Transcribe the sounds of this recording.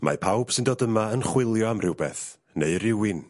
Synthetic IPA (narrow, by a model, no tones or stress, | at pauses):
mʔa̰pʰawb̥sɨndoːdəmaənχwɪlˠjɔamrɪwbɛθ | neɨɾɪwɪn